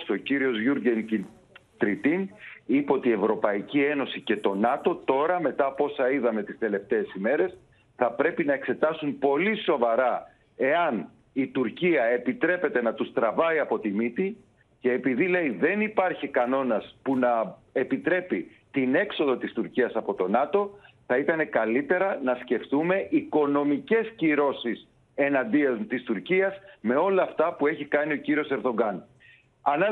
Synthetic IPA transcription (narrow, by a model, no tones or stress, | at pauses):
st̪o̞ciɾio̞zʝuɾɟenci | t̪ɾit̪inipeo̞t̪ie̞vɾo̞pɐicie̞no̞sice̞t̪o̞nɐt̪o̞t̪o̞ɾɐme̞t̪ɐːpo̞sɐiðɐme̞t̪ist̪e̞le̞ft̪e̞ːsime̞ɾe̞s | θɐpɾe̞pinɐe̞kse̞t̪ɐsumpo̞liso̞vɐɾɐ | e̞ɐn | it̪uɾciɐe̞pit̪ɾe̞pe̞t̪e̞nɐt̪ust̪ɾɐvɐiɐpo̞t̪imit̪i | ce̞ːpiðile̞iðe̞nipɐɾçikɐno̞nɐspunɐe̞pit̪ɾe̞pi | t̪ine̞kso̞ðo̞t̪ist̪uɾciɐsɐpo̞t̪o̞nɐt̪o̞θɐit̪ɐne̞kɐlit̪e̞ɾɐnɐsce̞ft̪ume̞ʔiko̞no̞mice̞sciɾo̞sis | e̞nɐnd̪iɐzt̪ist̪uɾciɐsme̞o̞lɐːft̪ɐpue̞çikɐnio̞ciɾio̞se̞ɾðo̞ɡɐn | ɐnɐ